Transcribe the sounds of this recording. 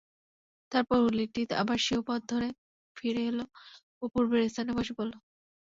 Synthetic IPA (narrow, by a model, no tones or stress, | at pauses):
t̪aɾpɔɾuliʈit̪a̰baɾʃiopɔd̪̚d̪ʱoɾe | fʰiɾeɦelo | opuɾbeɾest̪ʰanebɔʃepɔlo